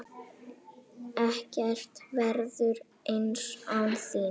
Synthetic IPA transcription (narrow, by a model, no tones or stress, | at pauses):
ɛhcɛr̥t̪vɛɾðʏɾ | ensawnsiː